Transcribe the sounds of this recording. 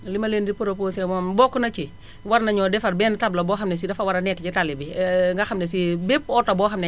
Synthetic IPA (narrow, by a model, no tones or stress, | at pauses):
limɐlendipuɾoposɛmɔnbɔːkːunɐt͡ʃi | waɾnɐɲɔdɛfɐɾbɛːntablɐbɔːxɐmnɛs̬idɐfɐwaɾɐnɛkːt͡ʃitalibiŋɡɐxɐmnɛs̬ibepɔtːɐbɔːxɐmnɛ